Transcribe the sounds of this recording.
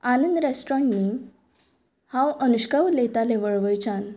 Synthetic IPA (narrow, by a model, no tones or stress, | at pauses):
anənd̪ɾasʈɾɔ̃ɳni | hãwənuɕkaʋlet̪aleʋəɭʋəjt͡ɕan